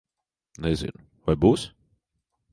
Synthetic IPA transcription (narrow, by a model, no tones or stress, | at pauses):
nɛzʲḭnʊ | vajbuːs